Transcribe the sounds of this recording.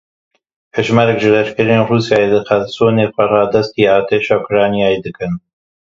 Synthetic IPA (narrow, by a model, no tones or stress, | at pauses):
heʒmɑɾɛkʒɨlɛʃkɨɾeːnruːsjaːjelɨxælsoːneːxʷɐrɑːd̪ɐst̪iːɑːt̪ʰeːʃɑːukɾɑːnijaːjed̪ɨkɨn